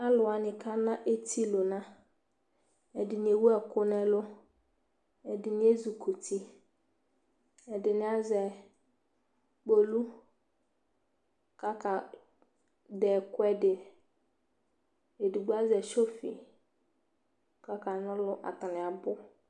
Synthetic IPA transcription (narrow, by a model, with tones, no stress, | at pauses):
a˦lʊ˨a˨nɪ̃˨kʰa˦nã˦ʔe˦tʰi˦lʊ˨nã˦ | ɛ˨dɪ˨nɪ˨e˨wu˦ɛ˨kʊ˦nɛ˨lʊ˦ | ɛ˨dɪ˨nɪ˦e˦zu˨kʰu˨tʰi˦ | ɛ˨dɪ˨nɪ˦a˦zɛ˨ | k͡po˨lu˦ | ka˦ka˨ | dɛː˨kʊ˦ɛ˦dɪ˨ | e˨di˨ɡ͡bu˦a˦zɛ˨ʃo˦fḭ˨ | ka˦ka˨nʊ̃˦lʊ˦ʔa̰˨ta˨nɪ̃˨a˨bʊ˦